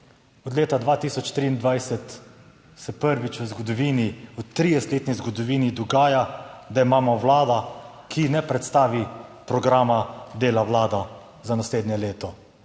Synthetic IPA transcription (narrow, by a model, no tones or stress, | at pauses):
ɔd̪leːt̪ad̪ʋaːt̪iːsɔt͡ʃt̪ɾiːnd̪ʋajsɛt̪ | sɛpəɾʋit͡ʃwəzɡɔd̪ɔʋiːniut̪ɾiːjɛst̪leːt̪nizɡɔd̪ɔʋiːnid̪ɔɡaːjad̪aimaːmɔwlaːd̪akʰinɛpɾɛt̪st̪aːʋipɾɔɡɾaːmad̪eːlawlaːd̪a | zanasleːd̪njɛleːt̪ɔ